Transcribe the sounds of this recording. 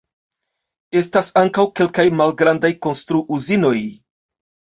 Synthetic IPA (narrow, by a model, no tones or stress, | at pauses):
e̞stasaŋkawke̞lkajmalɡɾandajko̞nstɾuʔuzino̞j